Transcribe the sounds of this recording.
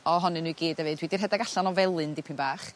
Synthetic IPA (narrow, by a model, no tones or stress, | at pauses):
ɔɦɔnɨnuiɡeːdɛvɨːdwidirɦɛdaɡaɬanɔvɛlˠɨndɪpʰɪnbaːχ